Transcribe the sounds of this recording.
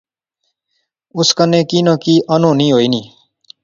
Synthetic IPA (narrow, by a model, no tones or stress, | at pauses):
ʊskənẽːkiːnõːkiːʔənõːnĩːɦoːiːnĩː